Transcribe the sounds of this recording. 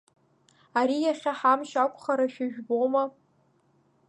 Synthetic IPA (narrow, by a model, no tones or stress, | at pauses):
aɾijaχʲaħamʃakʷʼχaɾaʃᶣaʒᶣboma